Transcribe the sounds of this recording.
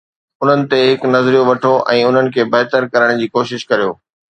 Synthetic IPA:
ʊn̤ənɪ̆t̪eɦɪknɐzɾijoʋɐʈʰoʔɛ̃ːʊn̤ənɪ̆kʰeːbɛːɦt̪əɾkɐɾəɽ̃d͡ʑiːkoːʃɪʃkɐɾijoː

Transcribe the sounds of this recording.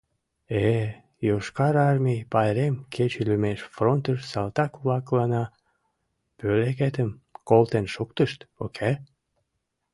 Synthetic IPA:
e | joʃkɑɾɑrmʲijpɑjɾemkʰet͡ɕylymeʃfront̪əʃsɑlt̪ɑklɑklɑnɑ | pøleket̪əmkolt̪enʃukt̪əʃt̪okʰe

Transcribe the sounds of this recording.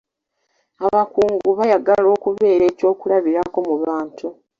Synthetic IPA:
aβakuːŋɡuβajaɡalo̞ːkuβe̞ːɾe̞ːco̞ːkulaβiɾako̞muβaːntu

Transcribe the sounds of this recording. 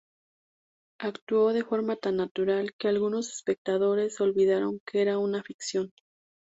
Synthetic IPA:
akt̪uo̞ðe̞fo̞ɾmat̪anːat̪uɾalke̞alɣuno̞se̞̥spe̞k̚t̪aðo̞ɾe̞so̞lβiðaɾo̞ŋkee̞ɾaunafiksjo̞n

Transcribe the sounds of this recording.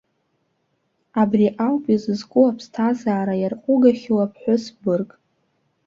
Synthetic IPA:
abriʔawpʼizɨzkʼʊwapʰstʰazaːɾajarqʷʼʊɡaχʲɪwapʰħʷʊsbɨrkʼ

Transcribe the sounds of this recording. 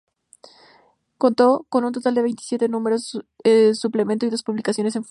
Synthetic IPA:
ko̞nt̪o̞ko̞nũnt̪o̞t̪ald̪e̞βe̞jnt̪i̥sje̞t̪e̞nũme̞ɾoesuple̞mẽnt̪oiðospuβlikasjo̞ne̞s̬e̞ɱf

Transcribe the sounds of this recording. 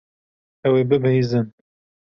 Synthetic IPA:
ɛweːbɨbɛjzɨn

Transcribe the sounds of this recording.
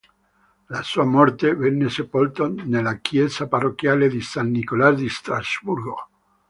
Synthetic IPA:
lasuːamɔrt̪evɛnːesepolt̪onelakʰjɛzaparokjaːled̪isanːikolazd̪ist̪ɾazburɡo

